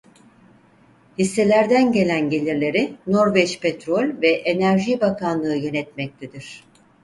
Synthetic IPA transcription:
hisːe̞lʲæɾd̪ænɟe̞lʲænɟe̞lʲiɾlʲe̞ɾino̞ɾvɛt͡ʃpʰet̪ɾo̞lʲvɛʔenæɾʒibakʰanlˠɯːjø̞nɛt̪mɛc̚t̪ʰed̪iɾ̝̥

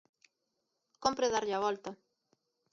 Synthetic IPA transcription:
kompɾeðaɾʎaβɔlt̪a

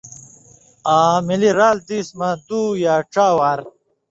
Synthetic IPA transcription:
aːmiliɾaːlt̪iːsmɐd̪uːjaːʈ͡ʂaːwaːɾ

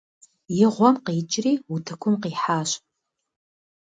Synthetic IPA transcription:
jɪʁʷɔmqiːt͡ʃʼriːutʰɐkʷʰʊmqiːħaːɕ

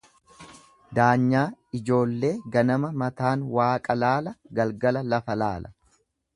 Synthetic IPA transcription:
d̪aːɲːaːɪd͡ʒo̞ːlːe̞ːɡɐnɐmɐmɐt̪aːnwaːkʼɐlaːlɐɡɐlɡɐlɐlɐfɐlaːlʔɐ̥

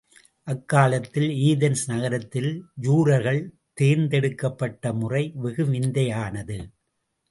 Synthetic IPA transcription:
ʔɐkːaːlɐt̪ːɪliːðɐnsnɐɣɐɾɐt̪ːɪljuːɾɐɾɣɐɭ | t̪eːɾnd̪ɛɽɯkːɐpːɐʈːɐmʊrɐɪʋɪɣɯʋɪnd̪ɐjaːnɐðɯ

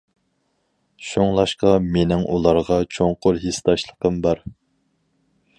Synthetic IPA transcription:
ʃoŋlˠɑʃqɑmenɪŋʔulˠɑɾʁɑt͡ʃʰoŋqʊɾɦest̪ɑʃlˠəqəmbɑɾ

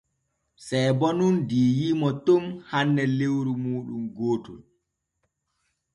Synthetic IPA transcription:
sɛjbɔnundiːjimɔtomhanːɛlewɾumuːɗumɡoːtul

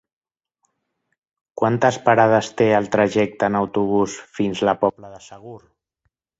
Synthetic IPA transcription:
kwant̪əspaɾað̞əst̪eəlˠt̪ɾəʒɛk̚t̪ənəwt̪uβ̞usfinzləpɔpləðəsəɣ̞ur

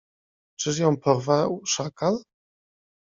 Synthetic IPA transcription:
t͡ʂɘʂ̬jɔ̃w̃pʰɔɾvawʂakal

